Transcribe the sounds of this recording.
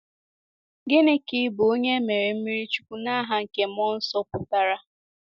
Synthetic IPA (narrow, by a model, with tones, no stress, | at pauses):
ɡe˦ne˦kɪ˦bo˨o˦ɲe˦me˨ɾe˨m̩˦mi˦ɾi˦t͡ʃu̥˦kʷu˦na˦ɦa˦ŋ̩˨ke˨m̩˦ɔ˦n̩˦sɔ˦pʊ˨ta˦ɾa˦